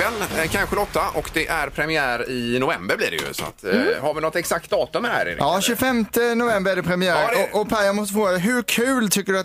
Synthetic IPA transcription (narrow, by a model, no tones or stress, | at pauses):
ɛlːkʰanɧəlɔt̪ːaʔɔkd̪ɛʔæɾpʰɾɛmɪæːɾɪnʊvɛmbəɾblḭːdɛ̰jɵ̰sɔ̰a̰t̪haɾvɪnɔt̪ːɛksak̚t̪̚d̪ɑːt̪ɵmːɪd̪ɛhæ̰ːɾɪ̰d̪̰ɑːɕʉfɛmt̪ənʊvɛmbəɾæɖɛpʰɾɛmɪjæːɾɔʔɔpʰajamɔst̪əfɾoːɡad̪ɛɦɵɾkʰʉ̟ːlt̪ʰʏkːəɖɵat̪